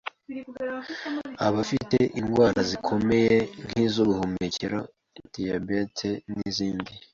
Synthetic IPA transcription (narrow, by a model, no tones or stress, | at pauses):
a̰βafiteʔinɡwaːɾazikʰo̞me̞je̞n̥hiːzoβuhumeceɾo | tiabetʰeniziːndi